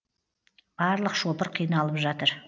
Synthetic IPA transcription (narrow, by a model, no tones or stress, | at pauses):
b̥ɑɾlˠəqʃo̞pəɾqʰijnɑlˠəpʒɑt̪əɾ